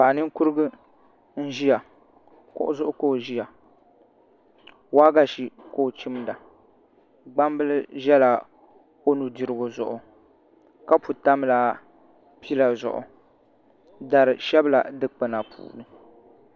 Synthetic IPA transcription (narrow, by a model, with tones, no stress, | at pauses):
pa˨ʔnɨ˦ŋ˦ku˦ɾɨ˦ɡɨ˦ | n̩˦ʒi˦ja˨ | kʊ̰˦ʔʊ˦zʊ˦ʔʊ˦koː˦˨ʒi˦ja˨ | waː˦ɡa˦ʃi˦koː˦˨t͡ʃi˦m˦da˨ | ɡ͡ba˦m˦bɨ˦lɨ˦ʒɛ˦la˨ | o˦nu˨di˨ɾɨ˦ɡo˨zʊ˨ʔʊ˨ | ka˦pu˨ta˦m˦la˦ | pi˦la˨zʊ̰˨ʔʊ̰˨ | da˨ɾɨ˨ʃɛ˦bla̰˨dɨ˦k͡pɨ˨na˨pʰṵː˨nɨ˦